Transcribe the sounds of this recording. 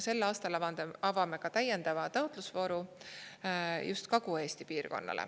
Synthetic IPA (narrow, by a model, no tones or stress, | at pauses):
se̞lːɑːst̪ɑlɑvɑnɑvɑme̞kɑt̪æje̞nd̪̥ɑvɑt̪ɑot̪ˑlusvo̞ːɾu | just̪kɑkue̞ːst̪ipiːrko̞̰nːɑ̰lḛ